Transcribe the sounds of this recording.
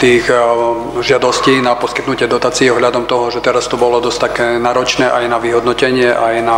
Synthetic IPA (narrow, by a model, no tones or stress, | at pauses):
t̪iːx | ʒɪad̪ɔsciːnapɔskit̪nucɪɛd̪ɔt̪aːt͡siɛɔɦʎad̪ɔmt̪ɔɦɔʒɛt̪ɛɾast̪ubɔlɔd̪ɔst̪akɛːnaːɾɔt͡ʃnɛːʔajnaʋiɦɔd̪nɔcɛɲɪɛʔajna